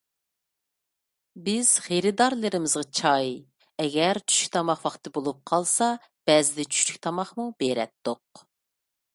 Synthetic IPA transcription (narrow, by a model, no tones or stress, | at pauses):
bɪz̥χeɾɪd̪ɑɾlˠɨɾɪmɪzʁɑt͡ʃʰɑj | ɛɡʲɛɾt͡ʃʰy̥ʃykʲt̪ʰɑmɑχwɑχt̪ʰɨbolˠup̚qʰɑlˠsɑ | b̥ɛzɪd̪ɛt͡ʃʰy̥ʃt͡ʃy̥kʲt̪ʰɑmɑχmubeɾɛ̰t̪ːoq̚